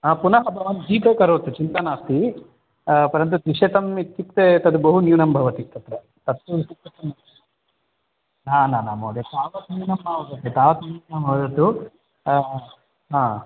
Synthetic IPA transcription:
aːpunɐɦɐbʱɐʋɐn̚d͡ʒiːp̪eːkɐɾoːt̪ut͡ʃint̪anaːst̪i | pɐɾɐnt̪ut̪ɾiʂet̪ɐmit̪ːikt̪et̪ɐd̪ubɐɦunjuːnɐmbʱɐʋɐt̪it̪ɐt̪ɾɐ | t̪ɐt̪ːusik̪ɐt̪ɐmɐ | naːnaːnaːmoːd̪et̪aːʋɐt̪njuːnɐmbʱaːʋɐɡ̪ɐt̪ːet̪aːʋɐt̪ɐmunɐmʱɐːd̪ɐt̪u | ɦaː

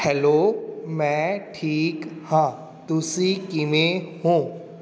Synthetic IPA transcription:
hɛloːmɛ̃ːʈʰiːkhãː | t̪ʊsikɪmẽhũː

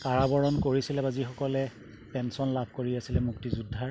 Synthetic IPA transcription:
kaɹabɔɹɔnkoɹisilɛbazixɔkɔlɛ | pɛnsɔnlabʱkoɹiasilɛmuktizudʱːaɹ

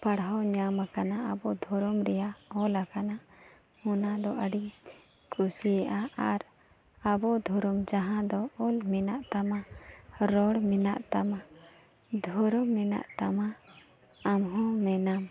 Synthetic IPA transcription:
paɽɦɔɲamakanaabɔd̪ʱɔɾɔmɾɛjaɔlakana | hɔnad̪ɔʔəɖiɲ | kusiaʔaaɾ | abɔd̪ʱɔɾɔmd͡ʒaɦãd̪ɔɔlmɛnaʔt̪amaɾɔɽmɛnaʔt̪ama | d̪ʱɔɾɔmːɛna̰ʔt̪ama | amɦɔ̃mɛnam

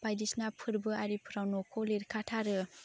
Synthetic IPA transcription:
bajdisnapʰɯɾbɯaɾipʰɯɾawnokʰoliɾkʰatʰaɾɯ

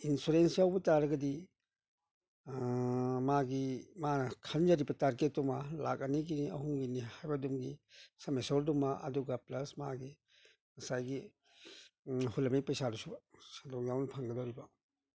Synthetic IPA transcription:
insuɾensijawbɐtaɾɐɡɐdi | maɡimanɐkʰand͡ʒaɾibɐtaɾket̚dumala̰k̚ɐniɡiniɐhuŋɡinihajbɐdumɡisɐmesoɾdumaʔɐ̰duɡɐplɐsmaɡi | mɐsajɡi | hulɐmejpɐjsadusubsadɔŋjawnɐpʰaŋɡɐdɔwɾibɐ

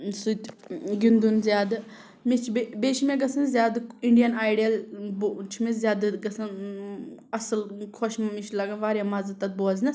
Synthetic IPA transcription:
sut̪ɡind̪unzjaːd̪ | mit͡ʃʰbebeːʃʰmẽɡɐsɐnzʲjaːd̪iɳɖijɐnaːjɖijɐlbt͡ʃʰimezʲjaːd̪ɡɐsʰɐn | ɐsəlkʰoʃmmiʃʰlɐɡanʋaːɾjamɐzɐt̪ɐt̪̚boːznɐ

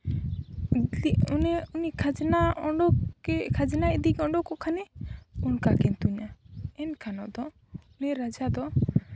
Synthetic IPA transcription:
inunikʰad͡ʒnaɔɖɔɛkʰad͡ʒɛnaid̪ikɛɔɳɖɔkɔkʰanɛunkakɛnt̪uɲaɛnkʰanɔ̰d̪ɔ | uniɾad͡ʒad̪ɔ

